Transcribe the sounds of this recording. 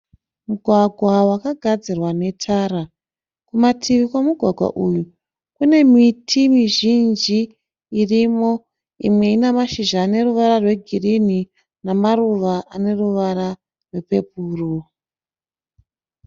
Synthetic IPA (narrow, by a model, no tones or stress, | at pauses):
muɡʱwaɡʱwawakaɡʱad͡zirwane̞tʰaɾa | kumatʰiʋikwamuɡʱwaɡʱwa̰ʔuju | kune̞mitʰimiʒind͡ʒiː | rimo̞ | ḭmwe̞inemaʃiʒaːne̞ruʋaɾarwe̞ɡʱirini | namaruʋaʔane̞ruʋaɾa | rwe̞pe̞puːro